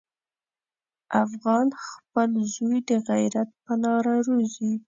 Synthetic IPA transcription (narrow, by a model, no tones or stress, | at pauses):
ʔafɣɑnxpəlzojd̪əɣajɾat̪̚pəlɑɾaɾozi